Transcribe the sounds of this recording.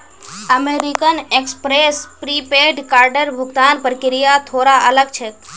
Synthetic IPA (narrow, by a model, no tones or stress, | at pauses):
əmeɾikənekspɾespɾipeɖkaːɾɖəɾbʱʊɡt̪aːnpəɾkɪɾijat̪ʰoːɾaʔələɡt͡ʃʰet̪